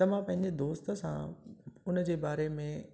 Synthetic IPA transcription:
ɐʋ̤ãpɐ̃ɦɪ̃ɲd͡ʑed̪oːst̪ə̆sã̰ʊnəd͡ʑeːbaːɾemẽ

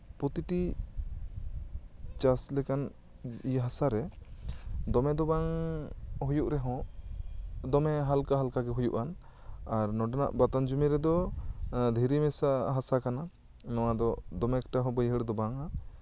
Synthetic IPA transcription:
pɾɔt̪iʈi | t͡ʃaslɛkan | iɦasaɾɛ | d̪ɔmɛd̪ɔbaŋ | ɦujuʔɾɛɦɔ̃ | d̪ɔmɛɦalkaɦalkaɡɛɦujuʔan | aɾnɔɖɛna̰ʔbat̪and͡ʒumiɾɛd̪ɔ | d̪ʱiɾimɛsaɦasakana | nɔwad̪ɔd̪ɔmɛkʈaɦɔ̃bəjɦəɽɛd̪ɔbaŋa

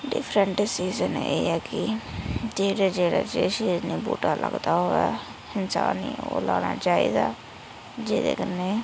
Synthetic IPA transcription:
ɖɪpʰɾəɳʈsiːzənḛːɛːkɪd͡ʒeːɽeːd͡ʒeːɽaːd͡ʒeːʃiːd͡ʒniːbṵːʈaːlʔəɡd̪aːɦoːɛː | hɪnsa̰ːnḭːoːlaːɽ̃aːt͡ʃaːiːd̪aː | d͡ʒeːd̪ḛːkəneː

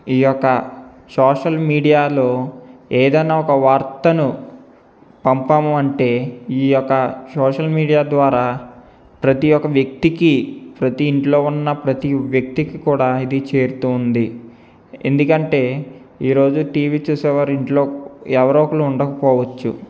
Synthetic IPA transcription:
iːjɔkːɐ | sɔːʂɐlmiːɖijaːlo̞ːeːd̪ɐjnaːɔkɐʋaːɾt̪ɐnu | pɐmpamuɐɳʈe̞ːiːjɔkːɐsɔːʂɐlmiːɽijaːd̪ʋaːɾaː | pɾɐt̪ijɔkːɐʋjɐk̚t̪ikipɾɐt̪iːɳʈlo̞ːunːɐpɾɐt̪iʋjɐk̚t̪ikikuːɽaːid̪it͡ʃe̞ːɾut̪uːnd̪i | end̪ukɐɳʈe̞ː | iːɾo̞ːd͡ʒuʈiːʋiːt͡ʃuːsɛːʋaːɾiɳʈloːɛʋɐɾoːkɐluuɳɖɐkɐpɔːʋɐt͡ʃːṵ

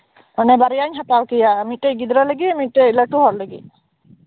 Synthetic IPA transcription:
mɔnɛbaɾijaɲɦat̪awkijamiʈeɡid̪ɾɔləɡimiʈelaʈuɦɔɾləɡḭ

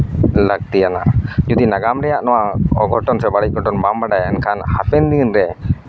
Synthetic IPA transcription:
lək̚t̪ijana̰ʔd͡ʒɔd̪inaɡamɾɛjaʔnɔwaɔɡʱɔʈɔnsɛbaɽic̚ɡʱɔʈɔnbambaɖajɛnkʰanhapɛnd̪inɾɛ

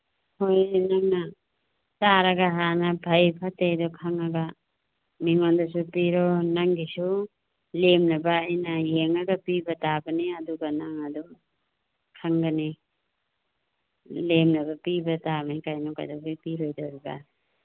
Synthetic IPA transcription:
hojnaŋna | taɾaɡaɦanabʱɐjpʰatedɔkʰaŋaɡa | miŋondɔsupiɾɔnaŋɡisu | lemnɐbaːjnajeŋaɡapibatabaniɐduɡanaŋadɔ | kʰaŋɡani | lemnɐbapibatabɐnikajnɔka̰jdabajpiɾojdaɾuɡa̰

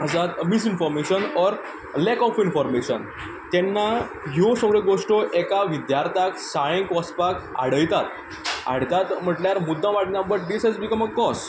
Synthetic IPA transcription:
əsat̪mis̬infɔɾmeɕənɔɾ | lɛkɔfinfɔɾmeɕən | t̪ɛnːa | ɦjosəɡɭeɡoʂʈɔʔɛkaʋid̪jaɾt̪ʰaksaɭẽŋkɔspaka̰ɽ̤əjt̪at̪ | a̰ɽt̪at̪m̤əʈljaɾmud̪ːãʋaʈnjabəʈ̚ɖisɦɛd͡zbikəməkːɔs

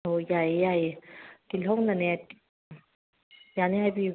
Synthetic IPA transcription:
ojajejajet̪ilõnanɛt | janɛɦapi

